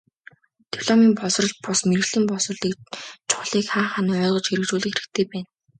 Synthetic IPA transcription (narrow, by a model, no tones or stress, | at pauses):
t̪iwɮɔmiːmpɔsrɞ̆ɮ̚pʊsmerɘ̆ɮɘ̆mpɔs̆ɮiːkt͡ɕʰʊ̥χɮiːkχaːχanœːʁɞ̆t͡ɕxeɾɘ̆k̚t͡ɕuːɮɘ̆xeɾɘ̆kt̪ʰeːpæːn